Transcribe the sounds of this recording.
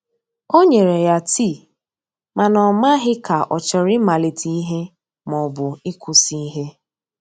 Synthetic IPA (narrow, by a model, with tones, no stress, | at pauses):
o˦ɲe˨ɾe˨ja˦tʰi˦˨ | ma˨nɔ˨ma˦ɦɪ˦ka˨ʔɔ˨t͡ʃɔ˨ɾɪ˦ma˨li˨tʰi˨i˦ɦe˦ | mɔ˨bʊ˨ɪ˦kʷʰʊ˨si˦i˦ɦe˦